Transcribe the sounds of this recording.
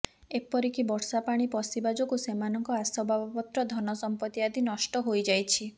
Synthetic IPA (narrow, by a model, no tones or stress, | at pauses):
epɔɾikibɔɽsapaɽ̃ipɔsibad͡ʒɔkusemanɔŋkɔasɔbʱabɔpɔt̪ɾɔd̪ʱɔnɔsɔmpɔt̪iad̪inɔʃʈɔɦojd͡ʒajt͡ʃʰi